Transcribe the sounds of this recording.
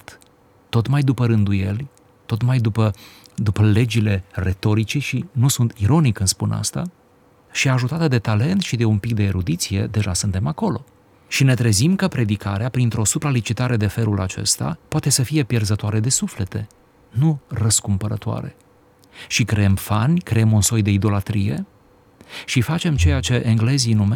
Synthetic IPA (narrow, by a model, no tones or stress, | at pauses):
t̪ | t̪o̞t̪majd̪upəɾɨnd̪uje̞lʲ | t̪o̞t̪majd̪upə | d̪upəle̞d͡ʒile̞re̞t̪o̞ɾit͡ʃeʃinusunt̪iɾo̞nikɨnspuna̰st̪a̰ | ʃiaʒut̪at̪əd̪e̞t̪ale̞nt̪ʃid̪e̞unpik̚d̪e̞ːɾud̪it̪sije̞̰d̪e̞ʒasɨnt̪e̞mako̞lo̞ | ʃine̞t̪ɾe̞zimkəpɾe̞d̪ikaɾeapɾint̪ɾo̞supɾalit͡ʃit̪aɾe̞d̪e̞fe̞lulat͡ʃe̞̰st̪a̰poat̪e̞səfije̞pje̞rzət̪oaɾe̞d̪e̞sufle̞t̪e̞̰ | nurəskumpəɾət̪oa̰ɾe̞̰ | ʃikɾeemfanʲkɾeemunso̞jd̪e̞id̪o̞lat̪ɾije̞̰ | ʃifat͡ʃe̞mt͡ʃe̞jat͡ʃe̞ʔeŋɡle̞zinume